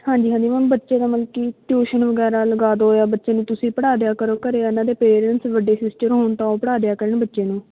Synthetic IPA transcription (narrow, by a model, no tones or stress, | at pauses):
hãːɲd͡ʒiːɦãːɲd͡ʒiːmənbətːʃeːd̪aːməlkiːʈuːʃənʋəɡɛːɾaːləɡaːd̪oːɦoːjaːbətːʃeːnũːt̪ʊsĩːpəɽaːd̪ejaːkəɾoːkəɾeːnãːd̪eːpeːɾənʈsʋəɖːeːsɪsʈəɾɦoːnt̪ãːoːpəɽaːd̪ejaːkəɾənbətːʃeːnũː